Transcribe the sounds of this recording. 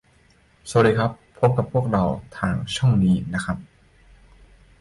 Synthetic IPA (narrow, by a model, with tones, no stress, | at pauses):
so˨˩˦daː˧˩kʰɾa˦˥pʰːo˦˥p̚ka˨˩pʰu˥˩ək̚ɾa˧wt̪ʰaː˨˧˩ŋt͡ɕʰuː˥˩ŋniː˦˥na˦˥kʰɾa˦˥p̚